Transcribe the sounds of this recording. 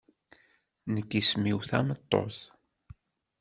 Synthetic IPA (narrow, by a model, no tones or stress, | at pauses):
nəkːismiwθæ̰mət̪ˤːo̰θ